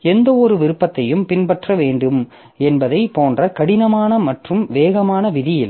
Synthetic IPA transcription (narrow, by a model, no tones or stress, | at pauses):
ɛnd̪ɐɔɾɯʋɪɾɯpːɐt̪ːɐjɯmpɪnpɐʈrɐʋeːɳɖɯm | ɛnbɐðɐɪpoːndrɐkɐɽɪnɐmaːnɐmɐʈrɯmʋeːɣɐmaːnɐʋɪðɪjɪl